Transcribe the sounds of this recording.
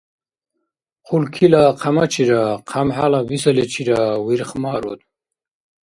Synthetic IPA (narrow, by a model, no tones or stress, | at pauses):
qʰulkʰilaqʰamat͡ʃʰiɾaqʰamħalavisalet͡ʃʰiɾawiɾχmaːɾɔ̰d̪